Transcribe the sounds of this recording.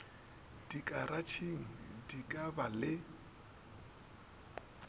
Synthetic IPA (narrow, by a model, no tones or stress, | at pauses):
d̥ikʼaɾat͡ʃʰiŋ̩dikʼabalɪ